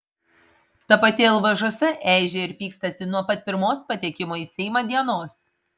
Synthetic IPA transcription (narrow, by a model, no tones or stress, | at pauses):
t̪ɐpɐt̪ʲɪɪlˠʋɐʒoɔsʲɛʔæˑɪʒʲeɪɾpʲiːkst̪ɐsʲɪnuɔpɐt̪̚ʲpʲɪɾmoːspɐt̪ʲiɛkʲɪmoːisʲɛɪmɐːd̪ʲiɛnoːs